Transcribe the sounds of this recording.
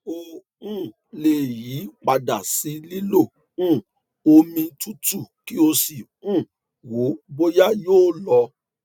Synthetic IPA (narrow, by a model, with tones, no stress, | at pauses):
o˧ | ũ˦˨ | le˨ji˨˦k͡pa˧da˨si˨˦li˦lo˦˨ | ũ˦˨ | o˧mĩ˧tu˦tu˦˨ki˦o˧si˨ | ũ˦˨ | wo˨˦bo˦ja˦joː˦lɔ˧